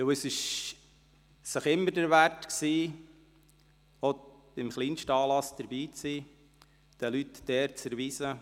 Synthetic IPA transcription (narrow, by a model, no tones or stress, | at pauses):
wəsɪʃ | səχɪmːəɾdəɾʋærtksiː | o | ɪmχliːnʃtəɑːlɑsd̥əɾbiːt͡siː | d̥ɛlytd̥ɛːɾt͡səɾviːsə